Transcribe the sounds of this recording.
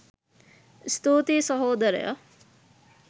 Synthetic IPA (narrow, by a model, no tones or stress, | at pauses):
st̪oːt̪eːsʌɦoːd̪ɐɾ̰jɐ̰